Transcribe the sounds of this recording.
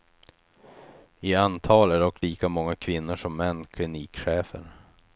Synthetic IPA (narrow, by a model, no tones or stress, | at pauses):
ɪant̪ʰɑːlæɖɔkːliːkamɔŋːakʰvɪnːʊʂɔmːɛnːkʰlɪniːkɧeːfə̰ɾ